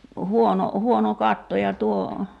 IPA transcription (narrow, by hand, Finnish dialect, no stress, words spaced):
huono huono kɑtːo jɑ tuo